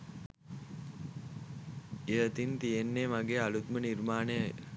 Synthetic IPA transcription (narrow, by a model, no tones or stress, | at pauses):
eət̪int̪ijenːemaɡeːalut̪mənirmaːnəjə